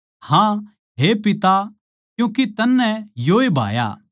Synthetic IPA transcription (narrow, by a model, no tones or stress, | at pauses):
hã | ɦepɪt̪a | kjũːkit̪ɐnːɛ̃joːebʱa̰ːja̰ː